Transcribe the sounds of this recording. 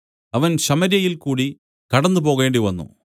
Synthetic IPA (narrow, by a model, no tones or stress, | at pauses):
ɐʋɐnɕɐmɐɾjɐjilkuːɽi | kɐɽɐnːɨpo̞ːɣe̞ːɳɖiʋɐnːṵ